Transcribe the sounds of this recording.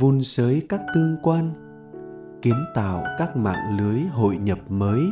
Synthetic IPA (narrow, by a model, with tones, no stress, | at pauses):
vu˧nsəː˨˦jkaː˦˥k̚t̪ɨ˧əŋkwaː˧n | ki˨˦ənt̪a̰ː˧˨wkaː˦˥k̚ma̰ː˧˨ŋlɨ˨˦əjɦo̰˧˨jɲə˨˩p̚məː˨˦j